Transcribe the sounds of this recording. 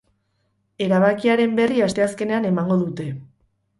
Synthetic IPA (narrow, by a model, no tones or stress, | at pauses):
e̞ɾaβ̞akiaɾe̞mbe̞riast̪e̞aske̞ne̞ane̞maŋɡo̞ðut̪e̞